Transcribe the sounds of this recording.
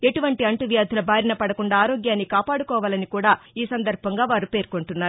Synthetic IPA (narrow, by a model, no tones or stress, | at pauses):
e̞ʈuʋɐɳʈiɐɳʈuʋjaːd̪ʱulɐbʱaːɾinɐpɐɽɐkuɳɖaːɾoːɡjaːnːikaːpaːɽukɔːʋaːlɐnikuːɽaːiːsɐnd̪ɐɾbʱɐŋɡaːʋaːɾupe̞ːɾkoɳʈunːaːɾu